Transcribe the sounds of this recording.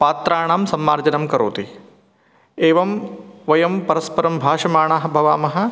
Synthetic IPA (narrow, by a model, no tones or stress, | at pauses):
paːt̪ɾaːɳaːmsɐmːaːɾd͡ʒɐnɐmkɐɾoːt̪i | eːʋɐmʋɐjɐmpɐɾɐspɐɾɐmbʱaːʂɐmaːɳaːɦɐ̆bʱɐʋaːmɐɦɐ̆